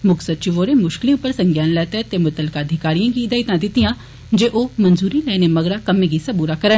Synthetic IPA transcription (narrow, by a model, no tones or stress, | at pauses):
mʊksət̪̚t͡ʃuʋoːɾemʊʃkɪliũpəɾsɐ̃ŋɡjaːnlɛːt̪et̪emʊt̪əlkaɐd̪ʱɪkaːɾijãːkiɪd̪aːit̪ãd̪ɪt̪ijã | d͡ʒeːʔoːmɐnzuːɾilɛːnemɐɡɾakɐmẽɡisɐbuːɾakɐɾən